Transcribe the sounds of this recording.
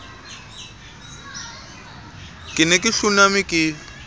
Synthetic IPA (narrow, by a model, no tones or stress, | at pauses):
kʼɪnɛkʼɪɬunamikʼɪ